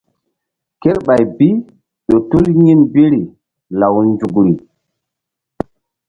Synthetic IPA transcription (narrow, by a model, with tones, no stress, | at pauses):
ke˦ɾɓa˨jbi˦ | ɗo˨tu˦lɲi˦nbi˦ɾi˨ | la˨wnd͡ʒu˨ɡɾi˨